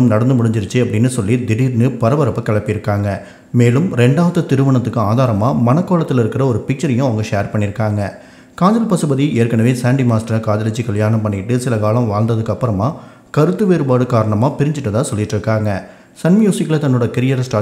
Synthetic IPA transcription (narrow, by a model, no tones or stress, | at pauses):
ɯmnɐɽɐnd̪ɯmʊɽɪɲd͡ʒɪɾɯt͡ʃːɯɐpːɐɽɪnːɯsɔlːid̪ɪɽiːɾnɯpɐɾɐʋɐɾɐpːɐkɐɭɐpːɪɪɾɯkːaːŋɡɐ | meːlɯmɾɛɳɖaːʋɐðɐt̪ɪɾɯʋɐɳɐt̪ːɯkːɯaːðaːɾɐmaːmɐnɐkːoːɭɐt̪ːɪlɪɾɯkːɪɾɐɔɾɯpɪk̚t͡ʃɐɾɪjʊ̃ɐʋɐŋɡɐʂeːɐɾpɐɳːɪɾɯkːaːŋɡɐ | kaːɲd͡ʒɐlpɐsɯbɐðieːɾkɐɳɐʋeːsaːɳɖimaːsʈɐɾɐkaːðɐlɐt͡ʃːikɐɭjaːnɐmpɐɳːɪʈːɯsɪlɐkaːlɐ̃mʋaːɻnd̪ɐðɯkːɯɐpːɯɾɐmaː | kɐɾɯt̪ːɯʋeːɾɯbaːɽɯkaːɾɐɳɐmaːpɪɾɪɲd͡ʒɪʈːɐt̪ãːsɔlːɪʈːɯɾɯkːaːŋɡɐ | sɐnmjuːsɪkːlɐt̪ɐnːoːɽɐkɪɾɪjɐɾɐsʈaː